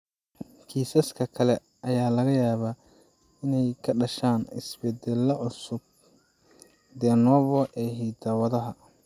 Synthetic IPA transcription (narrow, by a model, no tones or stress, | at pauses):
kʰiːsɐskʰɐkʰɐlɛ | ʔɐjaːlɐɣɐjaːβa | ɪnɛjkʰɐɖɐʃaːnɪ̰sbɛd̪ɛlːɐʕʊsʊb̚ | d̪ɛnɔːβɔʔɛːɦiːd̪ɐwɐðɐɦɐ